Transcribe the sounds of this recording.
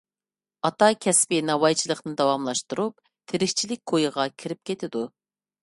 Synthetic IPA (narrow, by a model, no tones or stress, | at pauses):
ɑt̪ɑkʲʰɛspɪnɑwɑjt͡ʃʰilˠəqnɨd̪ɑwɑmlˠɑʃt̪uɾup̚ | t̪ʰeɾɪkʲt͡ʃʰilɪk̚ʲkʰojɨʁɑkʲʰiɾɪp̚kʲʰet̪ʰɪd̪u